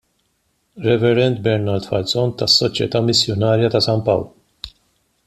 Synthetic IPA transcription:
ɾɛvɛɾɛnt̪̚bɛɾnɐɾt̪fɐlsɔnt̪ɐsːɔt͡ʃjɛ̰t̪ɐmɪsjɔnɐːɾjɐt̪ɐsɐmpɐ̰wlu

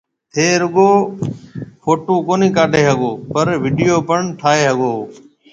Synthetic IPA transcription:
ɦeːɾʊɠoː | pʰoːʈoːkoːniːkaːɖʱeːɦəɠoːpəɾʋiːɖɪjoːpəɳʈʰaːɦeːɦəɠoː

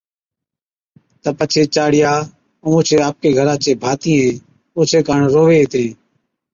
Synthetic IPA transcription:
t̪əpət͡ʃʰeːt͡ʃaːɽɪjaː | õːõːt͡ʃʰeːaːp̚keːɡʱəɾãːt͡ʃeːbʱaːt̪ĩːɦẽː | oːt͡ʃʰeːkəɳɾoːʋeːeːt̪ɾĩː

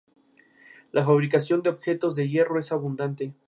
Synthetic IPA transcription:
lʔafaβɾikasjo̞nd̪eo̞βxe̞t̪o̞zðe̞ʝe̞ro̞e̞saβund̪ant̪e̞

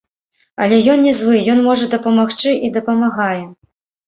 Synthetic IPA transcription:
ɐlʲɛjɔnnʲɛzlˠɨjɔnmɔʐɐd̪ɐpɐmaxt͡ʂɨʔid̪ɐpɐmaɣajɛ

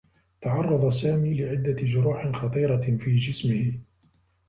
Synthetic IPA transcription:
t̪ɑʕɑrˤːɑd̪ˤɑsaːmiːlɪʕɪd̪ːad͡ʒʊɾuːħɪxɑt̪ˤiːɾɑfiːd͡ʒɪsmɪhɪ

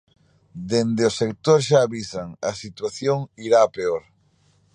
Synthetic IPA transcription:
d̪end̪eosek̚t̪oɾʃaːβisaŋɐsit̪waθjoŋiɾaːpeoɾ

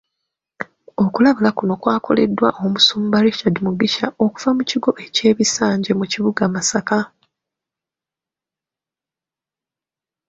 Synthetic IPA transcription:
o̞kulaβulakuno̞kwaːko̞̰le̞̰dːwa̰ʔomusuːmbaɾiʃadmuɡiʃao̞ku̥vamuciɡo̞ʔe̞ce̞ːβisaːɲɟe̞muciβuɡamasaka

